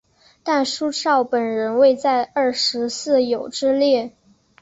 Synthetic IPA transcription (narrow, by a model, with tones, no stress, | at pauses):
t̪a˥˩nʂu˥ʂɑ˥˩ʊpə˨˩nɻə˧˥nwe˥˧ɪt͡sa˥˧ɪə˞˥˩ʂɻ̩˧˥sɹ̩˥˩jo˨˩ʊʈ͡ʂɻ̩˥ljɛ˥˩